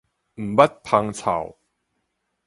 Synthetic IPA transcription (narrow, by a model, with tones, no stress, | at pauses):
m̩˨˩ba˦˥t̪̚pʰa˧ŋt͡sʰa̰˨˩w